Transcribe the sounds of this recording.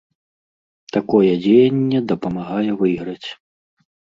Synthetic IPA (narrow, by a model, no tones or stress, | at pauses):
t̪akɔjɛd͡zʲejɐnʲːɛd̪ɐpɐmaɣajɛvɨjɣɾɐt͡sʲ